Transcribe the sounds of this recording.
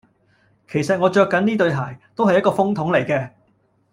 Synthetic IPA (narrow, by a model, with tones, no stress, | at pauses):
kʰe˨˩jsɐ˨t̚ŋɔː˨˧t͡ʃœː˧kːɐ˨˥niː˥t̪ɵ˧ɥɦaː˨˩jt̪o˥whɐ˨jːɐ˥tkɔː˧fʊ˥ŋt̪ʰʊ˨˥ŋle˨˩jkɛː˧